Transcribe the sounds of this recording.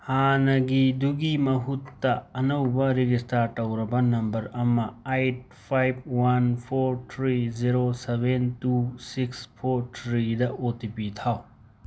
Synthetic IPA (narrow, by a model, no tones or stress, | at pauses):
hanɐɡiduɡimɐɦutːɐɐnɐwbɐɾiɡistaɾtɐwɾɐbɐnɐmbɐɾɐmɐajt̚ | pʰajb̚wanpʰoɾtʰɾid͡ʒiɾosebentusikspʰoɾtʰɾidɐotipitʰaw